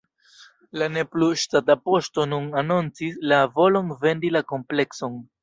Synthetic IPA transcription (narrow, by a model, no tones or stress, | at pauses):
lane̞pluʃtatapo̞sto̞nunanont͡sislavo̞lo̞nve̞ndilako̞mple̞kso̞n